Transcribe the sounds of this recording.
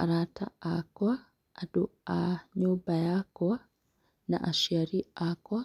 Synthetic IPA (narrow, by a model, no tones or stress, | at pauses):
aɾata̰akwa | aduaɲuːbajakɔ | na̰ʔaʃiaɾiaka